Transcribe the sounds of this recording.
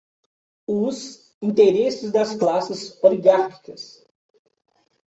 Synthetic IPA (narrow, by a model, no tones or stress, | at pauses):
ʊz | ĩnt̪eɾesɪzd̪ɐsklasɪsoliɡaɾki̥kɐs